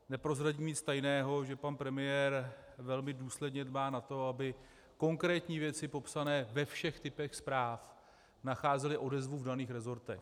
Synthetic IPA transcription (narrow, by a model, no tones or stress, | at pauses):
nɛpɾo̞zɾaɟiːmɲɪt͡st̪ajnɛːɦo̞ʒɛpanpɾɛmɪjɛːɾvɛlmɪduːslɛdɲɛdbaːnat̪o̞abɪ | ko̞ŋkɾɛːt̪ɲiːvjɛt͡sɪpo̞psanɛːvɛfʃɛxt̪ɪpɛxspɾaːf | naxaːzɛlɪʔo̞dɛzvuvdaniːxɾɛzo̞ɾt̪ɛ̰x